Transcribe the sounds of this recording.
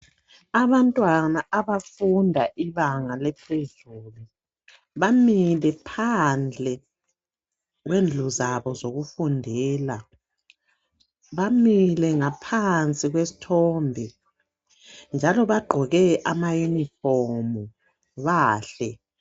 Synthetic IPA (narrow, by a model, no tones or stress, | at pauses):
aβantʼwanaʔaβafundʱaʔiβaŋalɛpʰezuːlu | βamilɛpʰand͡ɮʱɛ | ɣwend͡ɮʱuzaβɔzoɣufundʱɛːla | βamilɛŋapʰant͡sʼiɣwesi̥tʰɔmbʱi | nd͡ʒʱalɔβaɡ͡ǃʱɔɣɛʔamajunifɔmu | βaːɬɛ